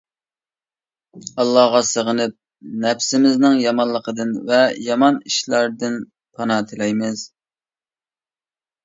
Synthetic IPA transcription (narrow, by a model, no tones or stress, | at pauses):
ɑlˠːɑhʁɑsəʁənɪp̚ | nɛpsɪmɪznɪŋjɑmɑnlˠəqʰəd̪ɨnvɛjɑmɑniʃlɑɾd̪ɪn | pʰɑnɑt̪ʰɪlɛjmɪz̥